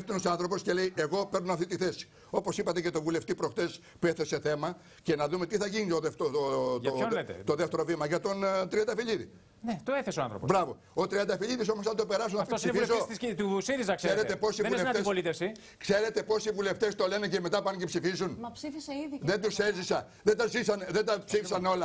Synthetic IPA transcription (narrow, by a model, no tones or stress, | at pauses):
ft̪onosɐnθɾo̞po̞sceleiʔeɣo̞peɾnunɐft̪it̪iθe̞si̥ | o̞po̞sipɐt̪e̞ce̞t̪o̞vule̞ft̪ipɾoxt̪e̞s | pueθese̞θe̞mɐ | ce̞nɐðumet̪iθɐʝinit̪oðeft̪ootoolet̪ḛt̪oðeft̪e̞ɾo̞vimɐʝɐt̪o̞nt̪ɾiɐnd̪ɐfiʎiðḭ | net̪oeθesoɐnθɾopbɾɐvo̞ | ot̪ɾiɐnd̪ɐfiʎiðis̬omos̬ɐnd̪ope̞ɾɐs̬unɐɐfipsifilzoessit̪usiɾizɐksseɾet̪epo̞sivvuleɐepolit̪efsi | kse̞ɾe̞t̪e̞po̞sivule̞ft̪e̞st̪o̞le̞nece̞me̞t̪ɐpɐncepsifizunɐpsifiseiððend̪usezisɐ | ðend̪ɐzisɐnðend̪ɐpsifisɐno̞lɐ